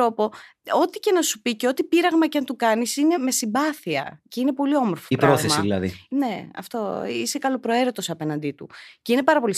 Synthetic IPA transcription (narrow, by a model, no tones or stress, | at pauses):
o̞po̞o̞t̪ice̞nɐsupiceo̞t̪ipiɾɐɣmɐcɐnt̪ukɐnisine̞me̞simbɐθiɐ̰ceine̞po̞lio̞moɾfoipɾpɾoθeɐsiðilɐðḭne̞ɐ̰ft̪o̞ise̞kɐlopɾo̞e̞ɾo̞t̪o̞sɐpe̞nɐnd̪it̪uce̞ine̞pɐɾɐpo̞lis